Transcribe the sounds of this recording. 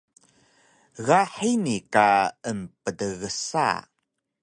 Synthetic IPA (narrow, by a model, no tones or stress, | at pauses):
ɣaħinikaəmpədəɣəsa̰